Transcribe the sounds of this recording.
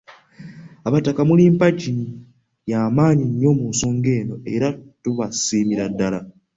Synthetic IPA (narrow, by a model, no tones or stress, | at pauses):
aβatakamuliːmpaɟini | jaːmaːɲiɲːo̞muːnso̞ːŋɡe̞ːno̞e̞ɾatuβasiːmiɾadːala